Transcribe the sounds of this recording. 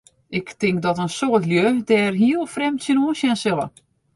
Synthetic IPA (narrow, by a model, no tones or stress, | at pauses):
ɪktɪŋk̚dɔtənsoətljødɛːrɦiəlˠfrɛmtsənuəsjɛnsɪlˠə̰